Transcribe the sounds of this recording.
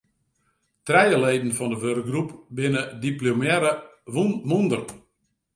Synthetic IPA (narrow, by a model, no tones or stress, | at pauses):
trɛjəleːdn̩fɔndəʋørk̚ɡrupbɪnədiplomjɛɾə | ʋunmundər